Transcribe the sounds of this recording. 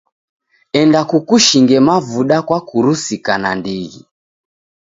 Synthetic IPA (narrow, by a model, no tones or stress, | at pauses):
ɛndakukuʃiŋɡɛmavuɗakwakuɾusikanandiɣḭ